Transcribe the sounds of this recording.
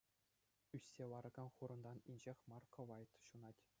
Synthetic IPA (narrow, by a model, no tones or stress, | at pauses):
ysʲːeʋɑɾɤ̆ɡɑnχuɾɤ̆nd̪ɑninʲd͡ʑexʲmɑrkɤ̆ʋɑjt̪ɕunɑtʲ